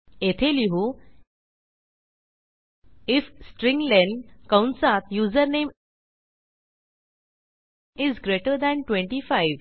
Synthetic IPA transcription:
et̪ʰeliɦu | ifsʈɾĩŋlɛ̃ɳɖkãwnsat̪juzəɾnem | izɡɾeʈəɾd̪ɛ̃ɳʈwẽɳʈifajʋ

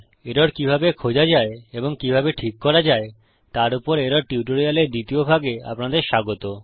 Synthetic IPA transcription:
eɾoɾkibʱabekʰod͡ʑad͡ʑaeeboŋkibʱabeʈʰikːɔɾad͡ʑae | t̪aɾupoɾeɾoɾʈiuʈ̬oɾialeɾd̪it̪iobʱaɡea̰pnad̪eɾʃaɡot̪o

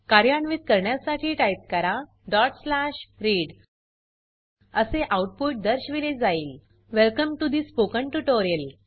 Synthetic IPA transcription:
kaɾjaɳʋit̪̚kəɾɳjasaʈʰiːʈajp̚kəɾa | ɖɔʈslaɕɾiːɽ | əseʔawuʈ̚puʈ̚d̪əɾɕʋiled͡zaiːl | ʋɛlkəmʈud̪ispokə̃ɳʈuʈoɾijəl

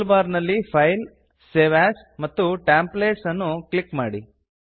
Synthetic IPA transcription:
lbaːɾnɐlːipʰɐjl | seːʋaːs | mɐt̪ːuʈaːmpleːʈsɐnːuklikmaːɽi

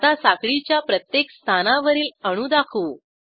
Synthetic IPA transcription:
t̪asakɭit͡ɕjapɾət̪jekst̪ʰanaʋəɾiːləɽ̃ud̪akʰuː

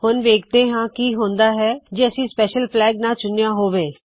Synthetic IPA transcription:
hʊnʋeːkʰt̪eːɦãːkiːɦõːnd̪aːɦɛːd͡ʒeːəsĩːspɛːʃəlplɛːɡnaːt͡ʃʊnjaːɦoːʋeː

